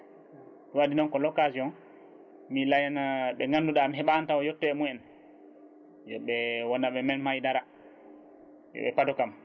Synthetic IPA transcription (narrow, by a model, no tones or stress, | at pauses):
wadinɔnkɔlɔkasiɔn | milajanaɓɛŋɡanduɗamiɦɛɓantawɔjɔtːɛɛmuɛn | jɔ̰ɓɛwɔnːaɓɛmɛnmajidaɾa | jɔ̰ɓɛ̰patɔkam